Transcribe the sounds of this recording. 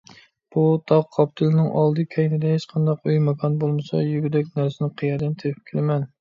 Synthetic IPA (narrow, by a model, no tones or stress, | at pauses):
b̥ut̪ʰɑʁqʰɑpt̪ʰɨlˠnɪŋʔɑlˠd̪ɨkʲʰɛjnɪd̪ɛɦet͡ʃqʰɑnd̪ɑqyjmɑkʰɑnbolˠmɨsɑ̰jyɡʲyd̪ɛkʲnæɾsɪnɪqʰəjɑɾd̪ɛnt̪ʰepʰɪ̥p̚kʲʰelɪmɛn